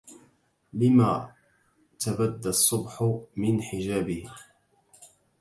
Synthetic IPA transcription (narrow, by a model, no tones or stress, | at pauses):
lɪmaː | t̪abad̪ːasˤːʊbħʊmɪnħɪd͡ʒaːbɪh